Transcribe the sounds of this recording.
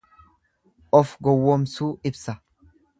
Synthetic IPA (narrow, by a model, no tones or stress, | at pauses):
ʔɔfɡɔwːɔmsuːɪbsɐ